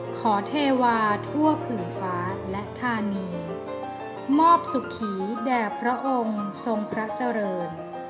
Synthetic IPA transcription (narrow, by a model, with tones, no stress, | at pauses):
kʰɔː˩˦t̪ʰeː˧waː˧t̪ʰu˥˩ɐpʰɯː˨˩ŋfaː˦˥lɛ˦˥ʔt̪ʰaː˧niː˧ | mɔː˥˩p̚su˨˩kʰːiː˩˦dɛː˨˩pʰɾa˦˥ʔo˧ŋso˧ŋpʰɾa˦˥t͡ɕa˧ɾɤː˧n